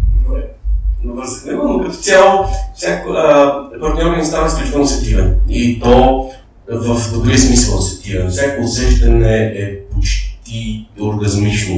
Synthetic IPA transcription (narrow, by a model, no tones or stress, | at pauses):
ɛnovəɾzəxnɛmɛnokɐft̪sʲalˠfsʲjakoəpɐɾt̪nʲɲʲɔɾʲinist̪avɐsplʲut͡ʃit̪ɛlˠnosɛk̚t̪ivɛ̰nit̪ɔ | vəfd̪ɾuɾismisəlˠsɛkt̪ivɛnfsʲjakoːsɛʒd̪ɐnɛɛpot͡ʃ̪t̪ioɾɡɐzmit͡ʃno